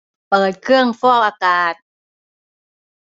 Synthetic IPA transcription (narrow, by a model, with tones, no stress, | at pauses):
pɤː˨˩t̪̚kʰɯ˥˩əŋfɔː˥˩k̚ʔaː˧kaː˨˩t̪̚